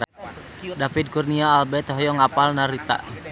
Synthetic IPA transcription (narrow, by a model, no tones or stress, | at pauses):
dafid̪̚kurniaːlbɛt̪hɔjɔŋapalnaɾit̪a̰